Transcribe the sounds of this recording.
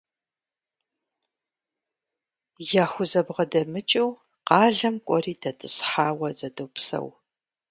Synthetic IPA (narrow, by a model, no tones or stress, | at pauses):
jaːxʷʊzɐbʁɐdɐmɨt͡ʃʼɨw | qɑːɮɐmkʷʼɔriːdɐtʰɨsħaːwɐzɐdowpsɐ̰w